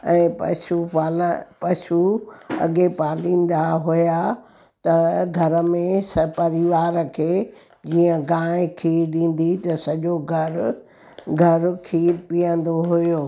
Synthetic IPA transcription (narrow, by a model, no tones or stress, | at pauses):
ɛ̃ːpɐ̰ʃupaːlpɐʃuɐ̰ɠepaːlĩːn̆d̪aɦuja | t̪ɐɡʱɐɾə̆mẽspɐɾɪʋaːɾəkʰeː | d͡ʑiːə̃ɡãːɪ̃kʰiːɾɗĩːn̆d̪it̪ɐsɐʄoɡʱɐ | ɡʱɐɾkʰiːɾpijə̃nd̪oɦujoː